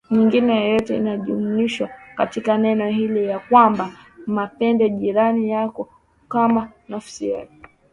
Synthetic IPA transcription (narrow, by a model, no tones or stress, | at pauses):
ɲiŋɡinɛjɔjɔtɛḭnaʄumuiʃwakatikanɛnɔɦilijakwambamapɛndɛʄiɾanijakɔ | kamanafi̥sija̰kɔ